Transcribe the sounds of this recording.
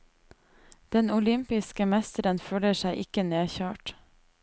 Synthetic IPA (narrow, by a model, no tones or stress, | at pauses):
d̪̥ɛnʊlʏmpɪskəmɛst̪əɾənføːləʃæɪʔɪkəneːçøːʈ